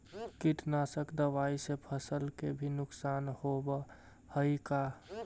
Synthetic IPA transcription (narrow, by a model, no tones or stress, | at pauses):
kiʈnasəkd̪əʋaisepʰəsəlkebʱinʊksanhobə | həjka